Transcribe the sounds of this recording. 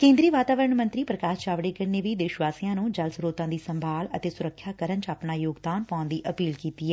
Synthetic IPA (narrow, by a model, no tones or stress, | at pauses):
kẽːnd̪ɾiːʋaːt̪aːʋəɾəɳmə̃nt̪ɾiːpɾəkaːt͡ʃaːʋɽeːkəɾneːʋiːd̪ɪʃʋaːsijãːnũːd͡ʒəlsɾoːt̪ãːd̪iːsəmbʱaːlət̪eːsʊɾəkʰːjaːkəɾənt͡ʃaːpnaːjoːɡd̪aːnpãːʊnd̪iːʔəpiːlkiːt̪iːɛː